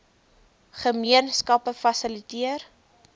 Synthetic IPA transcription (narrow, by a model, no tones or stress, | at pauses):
χəmiənskɐpəfɐsəlitiər